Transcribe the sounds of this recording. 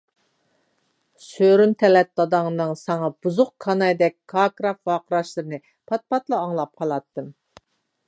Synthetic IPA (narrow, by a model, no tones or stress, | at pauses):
søɾynt̪ʰɛlɛt̪̚lˠɑd̪ɑŋnɨŋsɑŋɑbuzʊq̚kʰɑnɑjd̪ɛk̚ʲkʰːɑkɾɑfvɑːqəɾɑʃlˠɨɾɨnɨ | pʰɑt̪̚pɑt̪lˠɨɑŋlˠɑp̚qʰɑlˠɑt̪ːɨm